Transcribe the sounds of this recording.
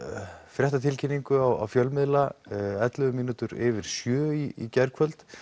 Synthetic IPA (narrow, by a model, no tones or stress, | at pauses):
fɾjɛht̪at̪ʰɪlcʰinːiŋkʏawa̰wfjœlmɪðlaɛt̪lʏɣʏmiːnut̪ʏɾɪvɪɾ̥sjœːiḭcɛɾkʰvœlt̪